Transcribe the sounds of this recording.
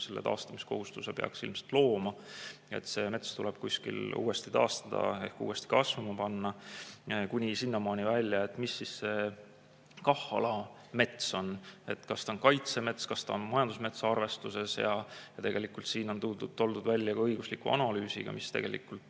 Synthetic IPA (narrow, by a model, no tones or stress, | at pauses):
selːḛt̪ɑ̰ːst̪ɑmisko̞̰hust̪usepḛɑ̰ksilmselt̪lo̞ːmɑḛt̪se̞me̞t̪st̪ulɛb̥̚kusʲkḭlṵːe̞st̪it̪ɑ̰ːst̪ɑd̪ɑ̰e̞̰hkṵːest̪i̥kɑsvɑmɑpɑnːɑ | kunʲisinːɑmɑːnʲivælʲjɑe̞t̪ːˑmisːisːe̞ | kɑhɑlɑ | me̞t̪so̞ne̞t̪kɑst̪ɑonkɑjt̪se̞me̞t̪skɑst̪ɑ̰onmɑjɑnd̪̥usme̞t̪sɑɑrve̞st̪use̞sjɑ̰jɑt̪e̞ɡe̞likːˑult̪siːno̞nt̪ut̪ːo̞ld̪ud̪vælʲːjɑkɑɤjɡ̥uslikːuɑ̰nɑlyːsḭɡ̥ɑ̰mist̪e̞ɡe̞lḭkːult̪